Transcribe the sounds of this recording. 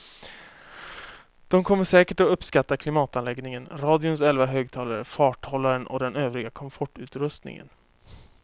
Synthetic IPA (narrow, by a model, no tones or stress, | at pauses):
d̪̥ɔmkʰɔmːəʂɛːkəʈɔɵpskat̪ːakʰlɪmɑːt̪anlɛɡnɪŋənɾɑːd̪ɪʊnsɛlvaɦøːɡ̚t̪ʰɑːlaɾə̰fɑːʈhɔlːaɾənʔɔ̰d̪ɛnøːvɾɪɡakʰɔmfɔʈːʉ̟ːt̪ɾɵst̪nɪ̰ŋə̰n